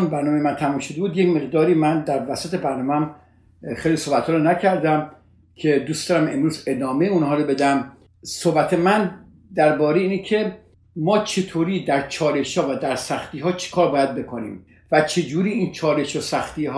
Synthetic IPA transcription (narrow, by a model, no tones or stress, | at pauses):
nbæɾnɒːmejemænt̪ʰæmuːmʃod̪ebuːd̪jecme̞ɣd̪ɒːɾiːmænd̪æɾvæsæt̪ebæɾnɒːmeæm | xejliːsohbæt̪hɒːɾonæcʰæɾd̪æm | kʰe̞d̪uːsd̪ɒːɾæme̞̰mɾuːze̞d̪ɒːmejeunɦɒːɾobe̞d̪æm | sohbæt̪ʰemæn | d̪æɾbɒːɾeiːnekʰe | mɒːt͡ʃʰe̞t̪ʰoːɾiːd̪æɾt͡ʃʰɒːle̞ʃhɒːvæd̪æɾsæxt̪iːɦɒːt͡ʃʰe̥kʰɒːɾbɒːjæd̪̚be̞kʰonḭːm | væt͡ʃʰe̞d͡ʒuːɾiːiːnt͡ʃʰɒːle̞ʃosæxt̪iːɦː